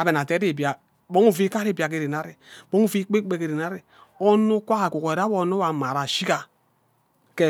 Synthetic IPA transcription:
a˨be˨n˨a˨te˦ɾi˦˨bi˨a˨ | bɔ˦ŋu˦˨vi˦ka˦ɾe˦˨bi˨a˨k̬e˨ɾe˨na˦ɾe˨bɔ˦ŋu˦vi˦k͡pe˦k͡pe˦ke˨ɾe˨na˦ɾe˨ | ɔ˦nu˦kʷa˦ka˨ku˨kɔ˨ɾa˦o˨˦n˦o˦wa˨ma˨ɾa˨ʃi˦ka˨ | ke˦

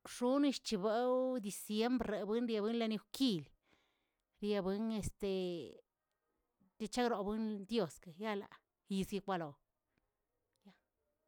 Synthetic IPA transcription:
ʂu˦ni˧ʃt͡ʃi˧be˦wd̪i˧sje˦mbɾɾe˨bɨ˦nɾja˧bɨ˦nla˧ni˧wki˧l | ɾja˧bɨ˧˦ne˧st̪e˨ | t̪e˧t͡ʃa˦kɾo˨bɨ˦nd̪jo˦˨ska˨ja˦la̰˧ | i˧zɡi˧kʷa˧lo˨ | ja˦

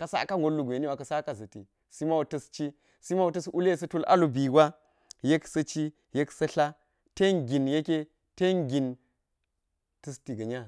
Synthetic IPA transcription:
ka˨sa̰˦ka˦ŋɡo˦lːu˨ɡʷe˨ni˦wa˨kɐ˨sa˦ka˦˨zɐ˨ti˨ | si˦ma˦wu˨tɐ˦st͡ʃi˦ | si˦ma˦wu˨tɐ˦su˦le˦˨s̬ɐ˦tu˦la̰˦lu˨bi˨ɡʷa˦ | je˦ksɐ˦t͡ʃi˦ | je˦ksɐ˦ɬa˦ | te˦nɡi˨nje˦ke˦ | te˦nɡi˨n | tɐ˦sti˨ɡɐ˨ɲa˦

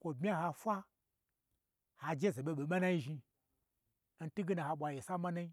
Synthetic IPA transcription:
kʷo˨bmʲ˦a˦ha˧fʷa˦ | ha˧d͡ʒe˦ze˨ɓe˧ɓe˨ma˦na˦i˦ʒi˧˦ | n̩˦tu˦ɡe˦na˨ha˧ɓʷa˨je˨sa˦ma˦na˦i˦

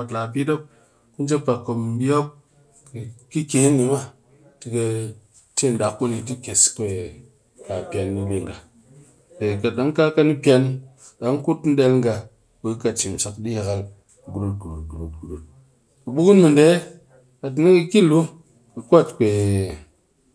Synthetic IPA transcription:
o˨tlaː˨p̬i˦do˦p̚ | ku˦n˦d͡ʒe˦pa˨kːo˨mbi˦o˦k̚ | ki˨ki˦ke˨˦nːi˨ma˦˨ | ti˨˧ka˧ | t͡ʃe˦˨n˨da˨kːu˦ni˨ti˦ke˨skʷe˨ | ka˨pʲja˨nːi˦le˨ŋɡa˨ | de˨ka˨ɗa˦ŋ˦ka˦ka˦ni˦pʲa˧n˦ | ɗa˨˦ŋku˦tn̩˦de˧lŋɡa˧ | ku˨˦ka˨t͡ʃi˨mʃa˨kɗi˦ja˨ka˦l | ɡu˦ɾu˦t̚ɡu˨ɾu˨t̚ɡu˨ɾu˨t̚ɡu˨ɾu˨t̚ | ku˨ɓu˦ɡu˦nmu˨nde˦ | ka˨t̬i˨ni˦kɐ˧ki˦˨lu˦ | kə˨kʷo˦˨tkʷe˨

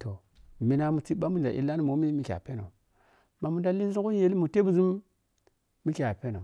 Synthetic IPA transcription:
to˨ | mi˨na˨mu˨t͡si˦ɓa˦mu˦n˨a˨ʔḭ˦la˦nu˦mo˨˦mi˦mi˦kʲa̰˨pe˦no˨ | ma˨mu˨da˦li˦zu˦ŋku˦n˦je˨li˦mu˨te˦bu˨zi˦mː | i˦kʲa˨pe˦no˨

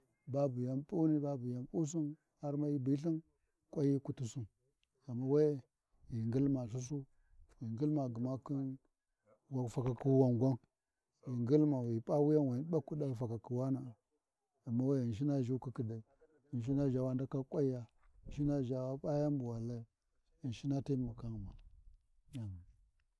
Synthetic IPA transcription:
ba˦bu˨ja˦mpʼu˦ni˦ba˦bu˨ja˨mpu˦s̬i˦n | ha˦ɾma˦ji˦bi˦ɬi˦n | kʷʼa˦ji˦ku˦ti˦su˦n | a˨mːa˦wa˦j | ji˨ŋɡi˦lma˨ɬ̬u˦s̬u˦ | wi˨ŋɡi˦lma˨ɡu˨ma˦ki˦n | wa˨fa˨ka˨ku˦wa˦ŋɡʷa˦n | ji˨ŋɡi˦lma˨wi˨pʼa˦wu˦ja˦nwa˨˦ɓa˦ku˦ɗa˦fa˨ka˨ki˨wa˦na˦˨ | a˨mːa˦wa˦i˨nʃ̬i˦na˦ʒi˦ki˦ki˨da˨i˨ | i˨n˨ʃ̬i˦na˦ʒa˨wa˦nda˦ka˦kʷʼa˦i˦ja˦˨ | nʃi˦na˦ʒa˨wa˦ɓa˦ja˦mbu˨wa˨la˦ | i˨n˨ʃi˦na˦ti˦mu˨ka˦ŋ˨ma˨ | a˨m˨

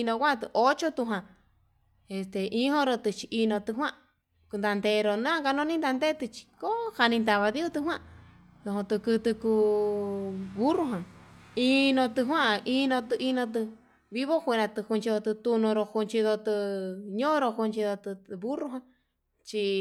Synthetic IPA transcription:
nõ˧kʷa˦˧t̪ɨ˧ʔo˦t͡ʃo˦t̪u˧ɦwã˧˨ | e˧st̪e˨ʔĩ˧˦hõ˦ɾo˧t̪ɨ˧t͡ʃi˧ʔi˧nõ˧t̪ɨ˧ɦwã˦ | ku˧nd̪a˧nd̪e˧ɾo˧nũ˦ã˧ka˧nõ˧nĩ˦nd̪a˧nd̪e˦˧t̪ɨ˧t͡ʃi̥˧ko˦ha˧nĩ˧nd̪a˧βa˧ði˦u˦t̪ɨ˧ɦw̃ã˦˧ | d̪õ˧ɦõ˧t̪ɨ˧kɨ˧t̪ɨ˧ku˧ | βu˦ru˧ɦã˨i˧nõ˧t̪ɨ˧ɦwã˦˧ʔi˧nõ˧t̪ɨ˧ʔi˧nõ˧t̪̬ɨ˧ | βi˦βo˦kʷẽ˧ɾã˧t̪ɨ˧ku˧nt͡ʃi˧o˧t̪ɨ˧t̪u˧nõ˧ɾo˧ku˧nt͡ʃi˧ðo˧t̪ɨ˧ɲõ˦ɾo˧ku˧nt͡ʃi˧ðo˧t̪ɨ˧βu˦ru˧ɦã˧ | t͡ʃi˧

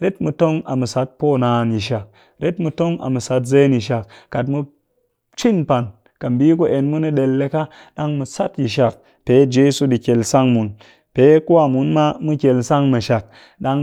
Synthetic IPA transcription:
ɾe˦tmɨ˧to˦ŋa˨mɨ˨sa˦t̚po˦naː˨nji˨ʃ̬a˨k̚ | ɾe˦tmu˧to˦ŋa̰˨mɨ˨sa˧˦tze˦ni˨ʃ̬a˨kka˨tmu˧ | t͡ʃi˦npa˨n | ka˨m˨bi˦ku˦ʔe˨nmu˦ni˦ɗe˧lːe˧ka˦ | ɗa˦ŋmu˧sa˦tji˨ʃ̬a˨k̚ | pe˨˦d͡ʒe˦su˦ɗi˨kʲe˨lsa˦ŋmu˨n | pe˨˦ku˦a˨mu˨˦nma˦mɨ˦kʲe˨lsa˦ŋmɨ˨ʃa˨k̚ | ɗa˧ŋ

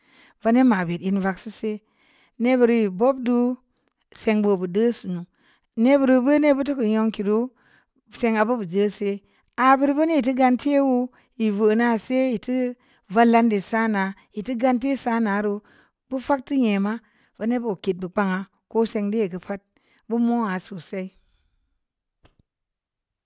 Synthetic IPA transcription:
va˦ne˦ma˨be˨ti˨nva˨ksi˦se˦ | ne˦bə˨ɾji˨bo˦b̚du˦ | se˧ŋbo˨bu˨də˦su˨nu˨ | ne˦bu˨ɾu˦bə˦ne˦bu˦t̬u˦ku˨ɲo˧ŋki˨du˦˨ | se˦ŋa˨bə˦bu˨d͡ʒə˦se˦ | a˨bi˦ɾbə˦ne˦ji˨ti˦ɡa˦ntʰe˦wu˦ | ji˨və˨na˦se˦ji˨ti˦ | va˦la˦nde˨sa˦na˨˦ji˨ti˦ɡa˦nte˦sa˦na˨˦ɾu˦ | b̥u˦fa˦k̚ti˦ɲe˨ma˦ | ba˦ne˦bo˨ki˨t̚bɨ˨k͡pa˦ŋa˨ | ko˦se˧ŋdi˦je˨kə˨pa˦t̚ | bu˦mo˦a˨su˨sa˦i˦

